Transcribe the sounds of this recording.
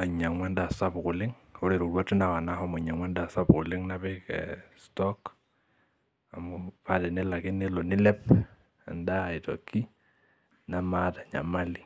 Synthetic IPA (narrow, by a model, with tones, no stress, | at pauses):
a˨ɲa˨ŋwɛ˦nda˨sa˦bkʊ˨lɪ˦ŋ | o˦ɾe˨ɾu˨ɾwa˦tɪ˦na˨wa˨na˦ɦɔ˦mʊ˨ɲa˨ŋwɛ˦nda˨sa˦pkʊ˨lɪ˦ŋna˦βɪkɛ̰stɔk | a˨mʊpa˦tɛ˨nɪ˦la˨kɪ˦ne˦lo˨nɪ˦lɛ˦p | a̰˨nda˦˨i˨tɔ̰˨kːi˦ | na˨ma˦ta˨ɲa̰˨ma˦li˨